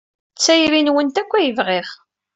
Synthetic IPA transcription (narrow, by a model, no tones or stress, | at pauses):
t͡sːæjɾinwənt̪ækʷːæjəvʁɪχ